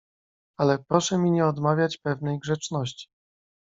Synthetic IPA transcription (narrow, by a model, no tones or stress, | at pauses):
alɛpɾɔʂɛmʲiɲɛɔd̪mavʲjat͡ɕpɛvnɛjɡʐɛt͡ʂnɔɕt͡ɕi̥